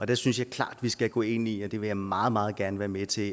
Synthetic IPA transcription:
ɒ̽d̥æsynsjɑ̈ɪkʰlɑ̰̈ːd̥ʋisɡ̥æɡ̥ɔ̰̽ːe̝niɒd̥e̝ʋe̝jɑ̈ɪmɑ̈ːð̞̩ˠmɑ̈ːð̞̩ˠɡ̥æɐnəʋæːɐmet͡sʰe̝

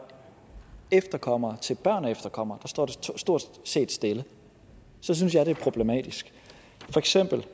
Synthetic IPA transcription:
efd̥ɐkʰɒ̽m̰ɐt͡sʰe̝lb̥ɶɐ̰nefd̥ɐkʰɒ̽m̰ɐd̥ɑ̈sd̥ɒ̰ːd̥esd̥o̝ɐ̰d̥se̝̰ːd̥sd̥e̝lə | sɒ̽s̬yns̬jɑ̈ɪɾ̥e̝æɐpʰʁo̝b̥le̝mɛ̰ːd̥isɡ̥ | fɒ̽eɡ̥sem̰b̥l̩

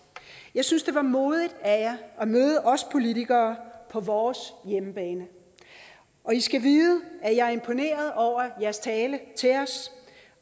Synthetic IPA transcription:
jɑ̈ɪsynsd̥e̝ʋɑ̈mo̝ːðˠid̥æjɑʔɒmøːð̞ˠəʔɒ̽spʰo̝lit͡sʰiɡ̥ɐːpʰɒ̽ʋɒːsjemb̥ɛːnə | ʔɒ̽isɡ̥æʋiːðˠəæjɑ̈ɪe̝mpʰo̝ne̝̰ːɐð̞ˠɒʊ̰ɐjæɐst͡sʰɛːlət͡sʰe̝ɒ̽s

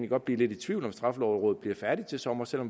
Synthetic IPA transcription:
niɡ̥ɒ̽d̚bliɐle̝ɾi̥t͡sʰʋiʊlɒ̽msd̥ʁɑ̈flɒʊʁɔ̽ːð̩ˠb̥liɐ̰fæɐdit͡sʰe̝sɒ̽mɐsel̰ɒ̽m

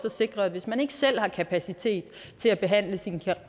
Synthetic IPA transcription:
sɒ̽se̝ɡ̥ʁɐʋe̝smæne̝ɡ̥əsel̰hɑ̈kʰæpʰæsit͡sʰe̝̰ːd̥ | t͡sʰe̝læb̥e̝ɦæn̰ləsinkʰæ

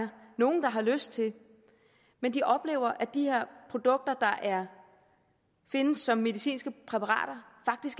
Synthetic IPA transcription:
ɐno̝ːn̩d̥ɑ̈ɦɑ̈løsd̥̚t͡sʰe̝l | mend̥iʔɒ̽b̥le̝̰ːʊ̰ɐʔæd̥ihe̝ɐ̰pʰʁo̝d̥ɔ̽ɡ̥̚d̥ɐd̥ɑ̈ʔæɐ | fe̝nəsːɒ̽mːe̝ðisḭːnsɡ̥əpʰʁɛpʰɑʁɑ̰̈ːɾ̥ɐfɑ̈ɡ̥̚d̥isɡ̥

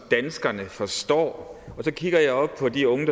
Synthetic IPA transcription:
d̥ænsɡ̥ɐnəfɒ̽sd̥ɒ̰ːɒ̽sɒ̽kʰiɡ̥ɐjɑ̈ɪɒ̽b̥̚pʰɒ̽d̥iɔ̽ŋəd̥

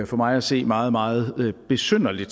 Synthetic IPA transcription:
fɒ̽mɑ̈ɪæse̝̰ːmɑ̈ːð̞̩ˠmɑ̈ːð̞̩ˠb̥e̝søn̰ɐlid̥

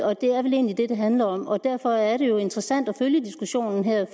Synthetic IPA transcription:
ɒ̽d̥e̝æɐʋele̝̰ːnlid̥e̝d̥e̝ɦænlɐɒ̽mɒ̽d̥æɐ̰fɒ̽æɐɾe̝jo̝e̝nd̥ʁɐsæn̰d̥ɒføljəd̥isɡ̥uɕo̝̰ːnn̩ɦeɐ̰

